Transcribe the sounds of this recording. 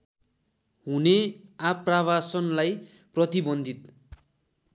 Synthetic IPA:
ɦuneapraβasʌnlaj | prʌt̪ibʌnd̪ʱit̪

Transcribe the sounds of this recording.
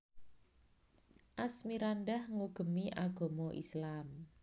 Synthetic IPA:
ʔasmiɾanɖahŋuɡ̥ə̤miʔaɡ̥o̤mɔʔḭslam

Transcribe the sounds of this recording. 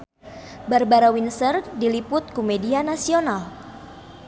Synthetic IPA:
barbaɾawinsərdilipʊt̪̚kumedianasional

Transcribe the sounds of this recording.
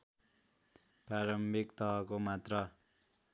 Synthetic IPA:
praɾʌmbʱikt̪ʌɦʌkomat̪rʌ

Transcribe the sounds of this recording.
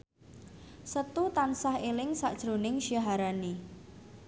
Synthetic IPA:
sət̪ut̪ansahelɪŋsa̰ʔd̥ʒ̥ɾo̤nɪŋʃiaɦaɾani

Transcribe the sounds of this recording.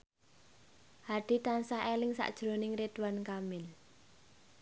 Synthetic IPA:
haɖ̥i̤t̪ansaɦelɪŋsa̰ʔd̥ʒ̥ɾo̤nɪŋret̪wankamɪl

